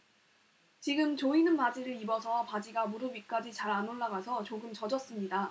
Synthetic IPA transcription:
t͡ɕiɡɯmt͡ɕoinɯnpad͡ʑiɾɯɾibʌsʰʌpad͡ʑiɡamuɾɯbik͈ad͡ʑit͡ɕaɾanoɭːaɡasʰʌt͡ɕoɡɯmt͡ɕʌd͡ʑʌs͈ɯmɲida

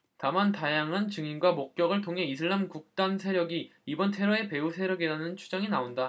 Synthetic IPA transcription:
tamantajaŋɦant͡ɕɯŋinɡwamok̚k͈jʌɡɯɭtʰoŋɦe̞isʰɯɭːamkuk̚t͈ansʰe̞ɾjʌɡiibʌntʰe̞ɾʌe̞pe̞usʰe̞ɾjʌɡiɾanɯnt͡ɕʰu̥d͡ʑaŋinaonda

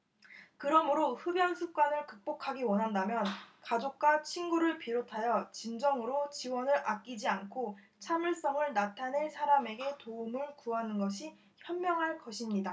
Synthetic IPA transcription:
kɯɾʌmɯɾoɸɯbjʌnsʰuk̚k͈wanɯɭkɯk̚p͈okʰaɡiwʌnɦandamjʌnkad͡ʑok̚k͈wat͡ɕʰinɡuɾɯɭpiɾotʰajʌt͡ɕind͡ʑʌŋɯɾot͡ɕiwʌnɯɾʔak̚k͈id͡ʑiankʰo | t͡ɕʰamjuɭs͈ʌŋɯɭnatʰanɦesʰaɾame̞ɡe̞toumɯɭkuɦanɯnɡʌɕʰi | çjʌnmjʌŋɦaɭkʌɕʰimɲida

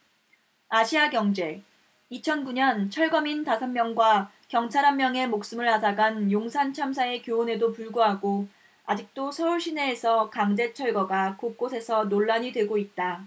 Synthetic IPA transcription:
aɕʰiaɡjʌŋd͡ʑe̞ | it͡ɕʰʌnkuɲʌnt͡ɕʰʌɭɡʌmintasʰʌmmjʌŋɡwa | kjʌŋt͡ɕʰaɾɦamːjʌŋe̞mok̚s͈ɯmɯɭasaɡanjoŋsʰant͡ɕʰamsʰae̞kjoone̞dopuɭɡuɦaɡo | ad͡ʑik̚t͈osʰʌuɭɕ͈ʰine̞ːsʰʌkaŋd͡ʑe̞t͡ɕʰʌɭɡʌɡakok͈osʰe̞sʰʌnoɭːaɲidwe̞ɡoit̚t͈a

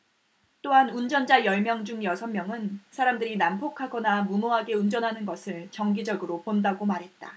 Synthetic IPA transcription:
t͈oɦanund͡ʑʌnd͡ʑajʌɭmjʌŋd͡ʑuŋjʌsʰʌnmːjʌŋɯnsʰaɾamdɯɾinampʰokʰaɡʌnamumoɦaɡe̞und͡ʑʌnɦanɯnɡʌsʰɯɭt͡ɕʌŋɡid͡ʑʌɡɯɾopondaɡomaɾɦe̞t̚t͈a

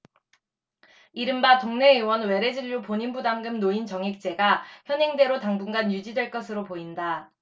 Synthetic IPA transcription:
iɾɯmbatoŋne̞ɯwʌnwe̞ɾe̞d͡ʑiʎːupoɲinbudaŋɡɯmnoint͡ɕʌŋik̚t͡ɕ͈e̞ɡaçjʌnɦe̞ŋde̞ɾotaŋbuŋɡanjud͡ʑidwe̞ɭk͈ʌsʰɯɾopoinda

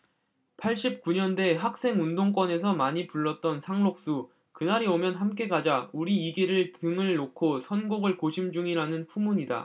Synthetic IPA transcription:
pʰaɭɕ͈ip̚k͈uɲʌnde̞ɦak̚s͈e̞ŋundoŋk͈wʌne̞sʰʌmaɲipuɭːʌt̚t͈ʌnsʰaŋɾok̚s͈u | kɯnaɾiomjʌnɦamk͈e̞ɡad͡ʑauɾiːɡeɾɯɭtɯŋɯɭːokʰosʰʌnɡoɡɯɭkoɕʰimd͡ʑuŋiɾanɯnɸumuɲida̰

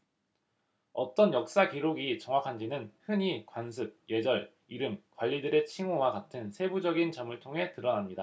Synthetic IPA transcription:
ʌt͈ʌnjʌk̚s͈akiɾoɡit͡ɕʌŋwakʰand͡ʑinɯnhɯɲikwans̬ʰɯk̚je̞d͡ʑʌɭ | iɾɯmkwaʎːidɯɾe̞t͡ɕʰiŋowakatʰɯnsʰe̞bud͡ʑʌɡint͡ɕʌmɯɭtʰoŋɦe̞tɯɾʌnamɲida

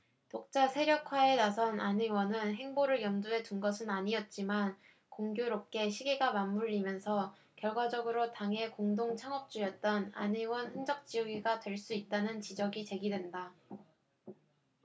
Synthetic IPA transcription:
tok̚t͡ɕ͈asʰe̞ɾjʌkʰwae̞nasʰʌnaniwʌnɯnɦe̞ŋboɾɯɭjʌmduɦe̞d͡ʑunɡʌsʰɯnaɲiʌt̚t͡ɕ͈iman | koŋɡjoɾop̚k͈e̞ɕʰiɡiɡamamːuʎːimjʌnsʰʌ | kjʌɭɡwad͡ʑʌɡɯɾotaŋɦe̞koŋdoŋt͡ɕʰaŋʌk̚t͡ɕ͈ujʌt̚t͈ʌna̰niwʌnɸɯnd͡ʑʌk̚t͡ɕ͈ijʌɡiɡatwe̞ɭs͈uit̚t͈anɯnt͡ɕid͡ʑʌɡit͡ɕe̞ɡidwe̞nda

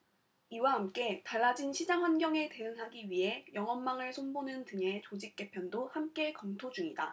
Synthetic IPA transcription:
iwahamk͈e̞taɭːad͡ʑinɕʰid͡ʑaŋwanɡjʌŋe̞te̞ɯŋɦaɡiɥiɦe̞jʌŋʌnːaŋɯɭsʰonbonɯntɯŋe̞t͡ɕod͡ʑik̚k͈e̞pʰjʌndohamk͈e̞kʌmtʰod͡ʑuŋida̰

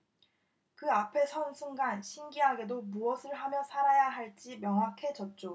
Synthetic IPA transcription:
kɯapʰe̞sʰʌnsʰuŋɡanɕʰiŋɡiɦaɡe̞domuʌsʰɯɭɦamjʌsʰaɾajaɦaɭt͡ɕ͈imjʌŋɦwakʰe̞d͡ʑʌt̚t͡ɕ͈o

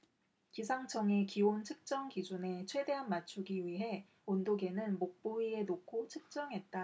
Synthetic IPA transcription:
kisʰaŋt͡ɕʰʌŋe̞kiont͡ɕʰɯk̚t͡ɕ͈ʌŋkid͡ʑune̞t͡ɕʰwe̞de̞ɦanmat͡ɕʰuɡiɥiɦe̞ | ondoɡe̞nɯnmok̚p͈oie̞nokʰot͡ɕʰɯk̚t͡ɕ͈ʌŋɦe̞t̚t͈a

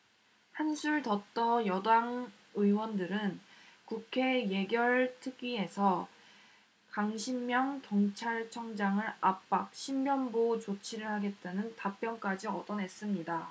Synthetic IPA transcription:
hansʰuɭtʌt͈ʌjʌdaŋ | ɯiwʌndɯɾɯnkukʰe̞je̞ɡjʌɭtʰɯɡie̞sʰʌ | kaŋɕʰimːjʌŋtoŋt͡ɕʰaɭt͡ɕʰʌŋd͡ʑaŋɯɾap͈̚ak̚ɕʰimːjʌnbot͡ɕot͡ɕʰiɾɯɭhaɡe̞t̚t͈anɯntap͈jʌnk͈ad͡ʑiʌdʌnɦe̞s͈ɯmɲida

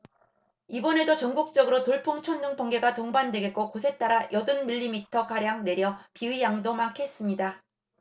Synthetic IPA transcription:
ibʌnedot͡ɕʌŋɡuk̚t͡ɕ͈ʌɡɯɾotoɭpʰuŋt͡ɕʰʌnːɯŋpʌŋɡe̞ɡatoŋbandwe̞ɡe̞t̚k͈okosʰe̞t͈aɾajʔʌdɯnmiʎːimitʰʌkaɾjaŋne̞ɾjʌpiɯijaŋdomakʰe̞s͈ɯmɲida

